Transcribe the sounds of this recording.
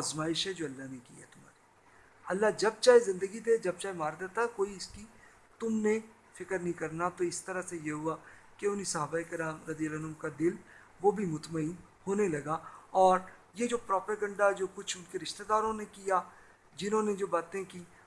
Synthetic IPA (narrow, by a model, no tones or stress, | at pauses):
aːzmaːɪʃɦɛd͡ʒoːɐlːaɦnekiḛɛ̰t̪ʊm̤a̰ːɾi | ɐlːad͡ʒɐb̚t͡ʃaːɦezɪ̃nd̪əɡid̪ed͡ʒɐb̚t͡ʃaːemaːɾd̪et̪aɦɛkoːiɪski | t̪ʊmnẽ | fɪkəɾnɐɦĩkɐɾnat̪oɪst̪ɐɾəsejeɦʊakeʊnisɐɦaːbaːekɪɾaːmɾɐd̪ijəlɐnʊmkad̪ɪl | ʋobʱimʊt̪məiːn | hoːnelɐɡaɔːɾjed͡ʒoːpɾɔːpəɡə̃ɳɖad͡ʒoːkʊt͡ʃʰʊnkeɾɪʃt̪ed̪aːɾõnekija | d͡ʒɪnõːned͡ʒoːbaːt̪ẽkiː